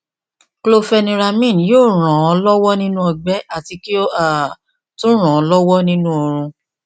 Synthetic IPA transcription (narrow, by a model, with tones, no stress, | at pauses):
klo˧˨fɛ˧nĩ˧ɾa˧mĩ˦˨n˨joː˦˨ɾ̃ã˨ɔ˧lɔ˦wɔ˦nĩ˦nũ˦ɔ˧ɡ͡bɛ˦a˨ti˧ki˦o˦a˦˨ | tũ˦ɾ̃ã˨ɔ˧lɔ˦wɔ˦nĩ˦nũ˦o˧ɾ̃ũ˧